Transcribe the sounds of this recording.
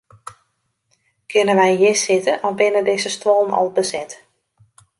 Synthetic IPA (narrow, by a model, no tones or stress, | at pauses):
kʰɪnənʋɛjjɪsɪtəʔɔfbɪnədɪːzəstwɔlˠnɔ̰lˠbəzɛt